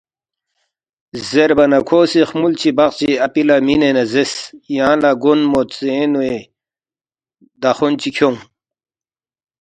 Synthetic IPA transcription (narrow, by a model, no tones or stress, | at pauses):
zeɾbɐnɐkʰoːsixmult͡ɕʰibaqt͡ɕiɐpilaminenɐzesjãːlaɡunmot̪seːnue | d̪axont͡ɕikʰoŋ